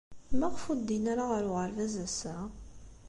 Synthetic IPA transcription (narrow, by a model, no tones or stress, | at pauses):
mæʁfud̪ːinaɾaʁəɾʊʁəɾvæzæsæ